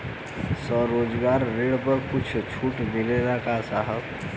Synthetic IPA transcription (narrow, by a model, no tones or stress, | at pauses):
səɾod͡ʒɡaːɾːeɽpəɾkʊt͡ʃʰt͡ʃʰuːʈmileɾakasaɦəb